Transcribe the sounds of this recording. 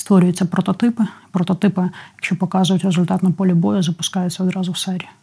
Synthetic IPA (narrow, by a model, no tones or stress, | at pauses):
st̪ʋɔɾʲʊjʊt͡sʲːɐpɾɔt̪ɔt̪ɪpɪpɾɔt̪ɔt̪ɪpɪjɐkʃt͡ʃɔpɔkɑzʊjʊtʲrezʊlʲt̪ɑt̪nɐpɔlʲɪbɔjʊzɐpʊ̥skɑjʊt͡sʲːɐɔd̪ɾɑzʊwsɛɾʲi